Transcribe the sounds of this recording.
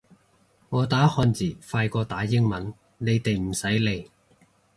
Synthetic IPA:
ŋɔː˨˧t̪aː˨˥hɔː˧nt͡siː˨˩faː˧jkɔː˧t̪aː˨˥jɪ˥ŋmɐ˨˥n | ne˨˧jt̪e˨jm̩˨˩sɐ˨˥jle˨˧j

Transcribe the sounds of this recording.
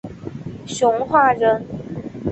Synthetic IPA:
ɕjʊ˧˥ŋxwa˥˩ɻə˧˥n

